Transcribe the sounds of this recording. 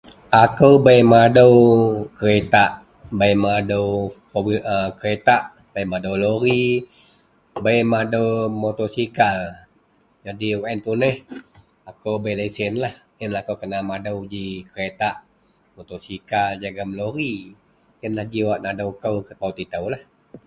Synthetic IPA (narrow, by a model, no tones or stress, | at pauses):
akəwbajmadəwkəɾet̪aʔ | bajmadəwkoəkəɾet̪aʔ | b̥ajmadowloɾi | bajmadəwmot̪osikal | d͡ʒadiwaʔɛnt̪unəh | akəwbajlasɪnlah | ənlahakowkənamadəwd͡ʒikəɾet̪aʔ | mot̪osikald͡ʒaɡaməloɾi | ənlahd͡ʒiwaʔnadəwkəwkət̪awt̪it̪əwlah